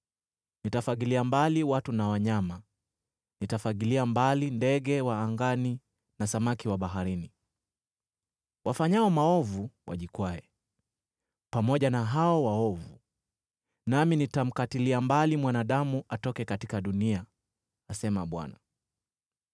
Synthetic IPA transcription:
nitafaɠiliambaliwatunawaɲama | nitafakiliambalindɛɠɛwaːŋɡani | nasamakiwaɓaɦaɾini | wafaɲaɔmaɔvuwa̰ʄikwaɛ | pamɔʄanaɦaɔwaɔvu | naminitam̩katiliambalimwanaɗamuʔatɔkɛkatikaɗuniaː | sɛmaɓwa̰na

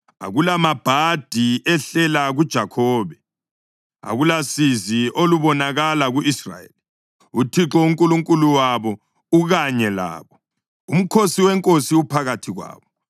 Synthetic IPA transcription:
a̰ɣulamab̥ʱad̥ʱiɛɬɛlaɣud̥ʒ̥ʱakʰɔːβɛ | a̰ɣulasiziʔoluβɔnaɣalaɣuisra̰jḛli | utʰiǁɔuŋkʼuluŋkʼuluwaβɔ | uɣaɲɛla̰ːβɔ | um̩kʰosiwɛŋkʼosiupʰaɣatʰiɣwa̰ːβɔ

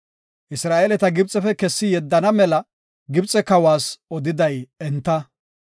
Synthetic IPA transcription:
ʔɪsɾaːʔelɛt̪ɐɡɪbt͡sʼːɛfɛkɛsːɪjɛd̪ːɐnɐmɛlɐ | ɡɪbt͡sʼɛkɐwaːsɔd̪ɪd̪ɐjɛnt̪ːɐ

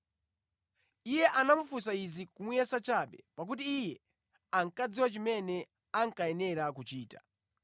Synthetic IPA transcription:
ijɛʔanamufus̬aizikumujɛsat͡ʃaɓɛ̰pak̬ut̬iːjɛ | aŋkaziwat͡ʃimɛnɛ | aŋkaɛnɛɾak̬ut͡ʃiːtḁ̰

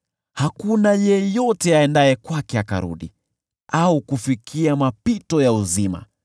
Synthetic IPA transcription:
hakunajɛjɔtɛaɛndaɛkwakɛaka̰ɾṵɗḭ | aukufikʰiamapitɔjauzima̰

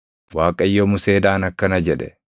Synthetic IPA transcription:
waːkʼɐjːomʊse̞ːd̪aːnɐkːɐnɐd͡ʒɛᶑɛ̥

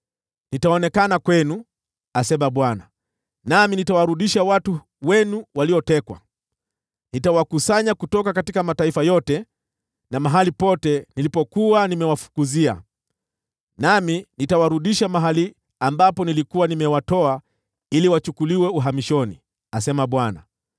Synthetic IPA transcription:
nitaɔnɛkanakwɛnu | asɛmaɓwana | naminitawaɾuɗiʃawatu | wɛnuwaliɔtɛkwa̰ | nitawakusaɲakutɔkakatikamataifajɔtɛ | namaɦalipɔtɛnilipɔkuwanimɛwafu̥kuzia̰ | naminitawaɾuɗiʃamaɦali | ambapɔnilikuwanimɛwatɔa | iliwat͡ʃukuliwɛuɦamiʃɔnḭ | asɛmaɓwana̰

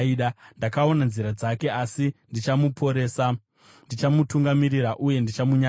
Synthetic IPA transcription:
iɗandakao̞nanziɾad͡zake̞ʔasindit͡ʃamupʰo̞ɾeːsa | ndit͡ʃamutuŋɡamiɾiɾaʔuje̞ndit͡ʃamuɲa

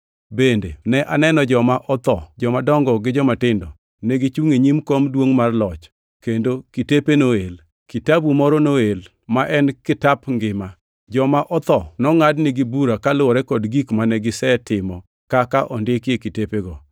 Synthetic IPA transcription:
bendenɛʔanɛnɔd͡ʒɔmaʔɔt̪ɔ̰d͡ʒɔmadɔŋɡɔɡɪd͡ʒɔmatɪndɔ | nɛɡit͡ʃuŋeɲimkomdwoŋmarlɔt͡ʃ | kendokitepenoel | kitabumɔɾɔnoel | maʔɛnkɪtapŋɡɪma | d͡ʒɔmaʔɔt̪ɔnɔŋadnɪɡibuɾakalʊɔɾɛkɔdɡikmanɛɡɪsɛtɪmɔ | kakaʔɔndɪkekitepeɡɔ

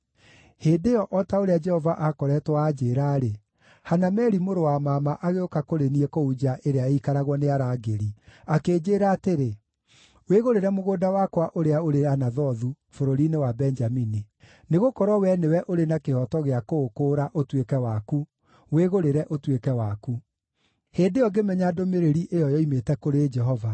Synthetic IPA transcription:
heːdeɔʔɔtaoɾead͡ʒɛhɔvaʔakɔɾɛtwaːd͡ʒeːɾaɾe | hanamɛɾimoɾowamaːmaʔaɣeokakoɾeniɛkoud͡ʒaʔeɾeaeikaɾaɣwɔneaɾaːɡeɾiakeːd͡ʑeːɾaːteɾe | weɣoɾeɾɛmoɣoːdawakwaʔoɾeaoɾeanaðɔðu | foɾoɾinewabɛnd͡ʒamini | neɣokɔɾɔwɛnewɛʔoɾenakehɔtɔɣeakoːkoːɾaʔotwekɛwaku | weɣoɾeɾɛʔotwekɛwaku | heːndeɔɡemɛɲadomeɾeɾiʔejɔjɔimetɛkoɾed͡ʒɛɦɔva

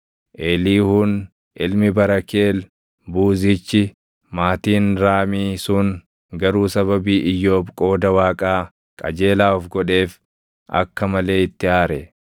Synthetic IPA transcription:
ʔeːliːhʊn | ʔɪlmɪbɐɾɐkeːl | buːzɪt͡ʃːɪ | maːt̪iːnɾaːmiːsʊŋ | ɡɐɾuːsɐβɐbiːʔɪjːo̞ːbkʼo̞ːd̪ɐwaːkʼaː | kʼɐ̰d͡ʒe̞ːlaːɔfɡɔᶑe̞ːf | ʔɐ̰kːɐmɐle̞ːɪt̪ːɪaːɾɛ

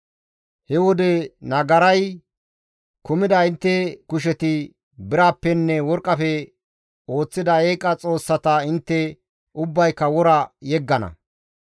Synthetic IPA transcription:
hɛwɔd̪ɛnɐɡɐɾɐj | kʊmɪd̪ɐɪnt̪ːɛkʊʃ̬ɛt̪ɪ | bɪɾaːpːɛnːɛwɔɾkʼːɐfɛ | o̞ːt͡sːɪd̪ɐeːkʼːɐt͡sʼo̞ːsːɐt̪ɐɪnt̪ːɛ | ʊbːɐjkːɐwɔɾɐjɛɡːɐnɐ̰

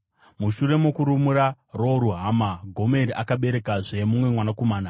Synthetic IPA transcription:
muʃure̞mokuɾumuɾa | ro̞ɾuɦaːmaɡʱo̞meɾiʔakaɓe̞ɾe̞kaʐe̞mumwe̞mwanako̞maːna

